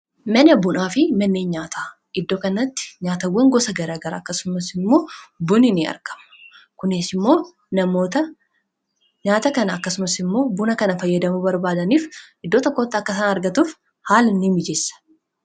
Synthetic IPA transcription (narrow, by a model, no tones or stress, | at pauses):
mɐnɐbʊnaːfɪmɐnːeːɲɲaːt̪aː | ʔɪd̪ːoːkɐnːɐt̪ːɪ̥ɲaːt̪ɐwːɐŋɡɔsɐɡɐɾaːɡɐɾa̰ːkːɐsʊmɐsɪmːo̞ːbʊnɪnɪɐ̰ɾɡɐ̥mɐ̥ | kʊnɪsɪmːo̞ː | nɐmoːt̪ɐ | ɲaːt̪ɐkɐnɐɐkːɐsʊmɐsɪmːo̞ːbʊnɐkɐnɐfɐjːɐd̪ɐmubɐɾbaːd̪ɐniːfʔɪd̪ːoːt̪ɔkːo̞ːt̪ːɪɐkːɐsɐnɐɾɡɐt̪uːf | haːlɪnːɪmɪd͡ʒesːɐ̥